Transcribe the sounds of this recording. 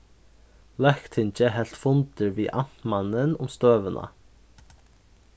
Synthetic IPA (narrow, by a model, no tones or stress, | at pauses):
lɛkt̪ʰɪnt͡ɕəɦɛl̥t̪fʊnt̪ɪɹviːʔan̥manənʊ̰mst̪øːvənʔa̰